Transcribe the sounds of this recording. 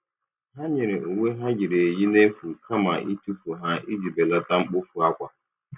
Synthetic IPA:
ɦa˦ɲe˨ɾe˨u˨ŋʷe˦ɦa˦ɡɪ˨ɾe˨e˨ji˦ne˦fu˨kʰa˦ma˨ḭ˦tu˦fu˨ɦa˦i˦d͡ʒi˨be˨la˦ta˦ŋ͡m̩˦k͡pʊ˦fu˨a˦kʷa˨

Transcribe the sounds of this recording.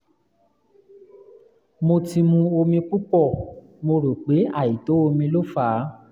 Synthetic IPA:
mo˧ti˧mũ˧o˧mĩ˧k͡pu˦k͡pɔ˦˨ | mo˧ɾo˨k͡pe˨˦a˦˨ji˨to˨˦o˧mĩ˧lo˦fa˨˦

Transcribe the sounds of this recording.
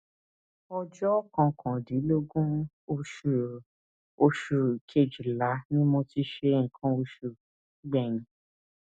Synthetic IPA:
ɔ˧d͡ʒɔ˦kã˧kʰã˨di˨˦lo˦ɡũ˦ | o˧ʃu˨ | o˧ʃu˨kʰe˨d͡ʒu˨la˨˦nĩ˦mɔ̃˧ti˧˦ʃe˧˦ŋ̩˨kʰã˦o˧ʃu˧˨˦ | ɡ͡bɛ˦˨ñĩ˨˦

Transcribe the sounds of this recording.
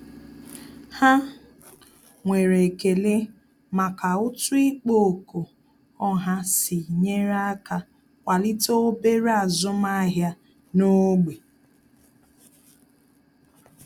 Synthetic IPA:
ha˦ | ŋʷe˨ɾe˨ke˨le˦ | ma˨ka˨ʊ˦tʊ˦i˦k͡po˦˨ko˨ | ɔ˦ɦa˦sɪ˨ɲe˦ɾa˦ka˨ | kʷa˨li˦to˦o˦be˦ɾa˨zʊ˦ma˦ɦja˦ | no˦ɡ͡be˨

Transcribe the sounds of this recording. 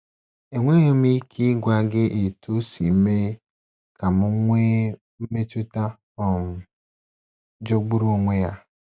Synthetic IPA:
e˨ŋʷe˦je˦m̩˦i˦kʰi˦ɡʷa˦ɡɪ˦ʔe˨tʰu˦si˨m̩˦me˦ | ka˨mʊ˦ŋʷe˦ | m̩˦me˦tʊ˦ta˦ | ɔ˨m̩˨ | d͡ʒo˦ɡ͡bu˦ɾu˦ŋʷe˦ja˦

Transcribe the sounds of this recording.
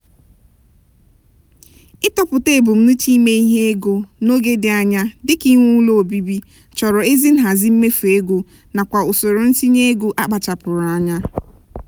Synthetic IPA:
ɪ˦tɔ˨pʊ˨te˦˨bʊ˨m̩˦nu˦t͡ʃi˦me˦i˦ɦe˦e˦ɡo˨no˦ɡe˦dɪ˨a˨ɲa˦dɪ˦ki˦ŋʷu˦lo˦o˨bi˦bi˦ | t͡ʃɔ˨ɾɔ˨e˦zi˦n̩˦ɦa˨zɪ˦m̩˦me˦fe˦ɡo˨ | na˨kʷa˨o˨so˨ɾo˨n̩˦si˦ɲe˦ɡo˨ʔa˦k͡pa˨t͡ʃa˨pʊ˨ɾʊ˨a˨ɲa˦

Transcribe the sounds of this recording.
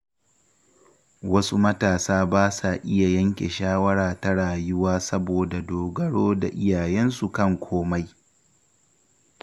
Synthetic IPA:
wɐ˦su˦mɐ˦taː˨saː˦baː˦sa˨ʔɪ˦ja˨jɐ˦ŋkʲe˨ʃaː˦wɐ˦ɽaː˨ta˦ɽaː˨jʊ˦waː˦sɐ˦boː˨da˨doː˨ɡɐ˦ɽoː˦da̰˨ʔɪ˦jaː˨jɛ˦nsu˨kɐ˦ŋkʷʰoː˦ma˦j

